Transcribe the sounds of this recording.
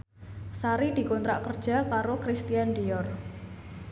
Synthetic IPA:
saɾid̪̥i̤kɔnt̪ɾaʔkərd̥ʒ̥a̤kaɾokɾist̪ijand̪ijɔr

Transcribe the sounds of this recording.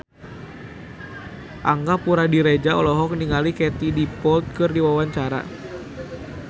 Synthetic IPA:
ʔaŋɡapuɾadiɾed͡ʒaɔlɔɦɔkniŋalikɛt̪idipɔlt̪̚kɨrdiwawaɲt͡ʃaɾa̰

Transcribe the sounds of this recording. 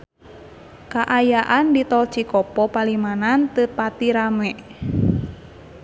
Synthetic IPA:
kaʔajaʔandit̪ɔlt͡ʃikɔpɔpalimanant̪əpat̪iɾamɛʔ

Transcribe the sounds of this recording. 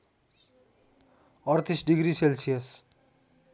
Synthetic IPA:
ʌrt̪isɖiɡriselsijʌs

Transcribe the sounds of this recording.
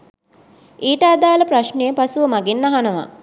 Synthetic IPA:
eːʈəad̪aːlɐpɾaʃnejəpasuʋɐmaɡenːaɦanɐʋa̰

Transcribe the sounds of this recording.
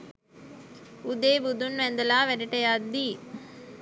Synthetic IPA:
ud̪eːbud̪unʋɛnd̪ɐlaːʋɛɾiʈɐjad̪ːi

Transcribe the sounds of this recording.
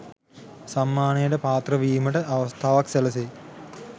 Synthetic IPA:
samːaːnejəʈəpaːt̪rəʋiːməʈəʔaʋəst̪ʰaːʋakseləse

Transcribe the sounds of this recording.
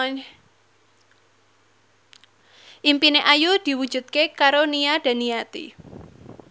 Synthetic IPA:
ʔimpineʔajud̪̥i̤wud̥d͡ʒ̥ṳd̪̥̚kekaɾoniad̥a̤nijat̪ḭ

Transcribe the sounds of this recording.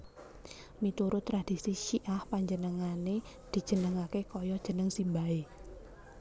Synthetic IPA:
mit̪uɾʊt̪ːɾad̪̥i̤siʃiʔahpaɲd͡ʒənəŋane | d̪̥i̤̥ʒ̥ə̤nəŋakekɔjɔd̥ʒ̥ə̤nəŋsimbae

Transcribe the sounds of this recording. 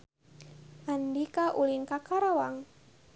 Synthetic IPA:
ʔandikaʔulinkakaɾawaŋ

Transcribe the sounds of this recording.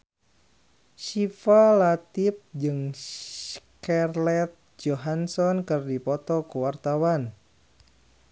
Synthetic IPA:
ʃifalat̪ɪp̚d͡ʒɨŋ | karlɛt̪̚d͡ʒoɦansɔnkɨrdipɔt̪ɔkuwart̪awan

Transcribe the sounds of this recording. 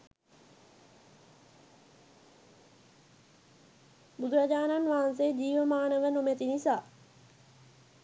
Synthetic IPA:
bud̪uɾad͡ʒaːnanʋaɦans̬ed͡ʑiːʋəmaːnəʋənomæt̪inisaː

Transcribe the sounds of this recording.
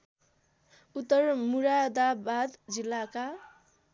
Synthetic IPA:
ut̪ːʌrmuɾad̪abad̪d͡zilːaka

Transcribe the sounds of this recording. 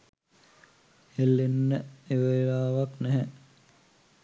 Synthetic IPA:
elːenːəeʋeɾaːʋaknæɦɛ

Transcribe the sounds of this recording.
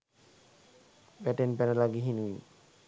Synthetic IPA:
bɛʈenpɛnɛlaɡiɦinui

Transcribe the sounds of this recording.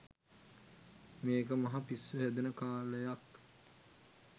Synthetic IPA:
meːkəmɐɦapisːuɦæd̪unəkaːləjak

